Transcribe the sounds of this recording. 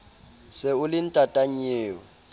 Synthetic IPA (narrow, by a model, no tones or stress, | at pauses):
sɪʊlɪn̩tʼatʼaɲeːwɔ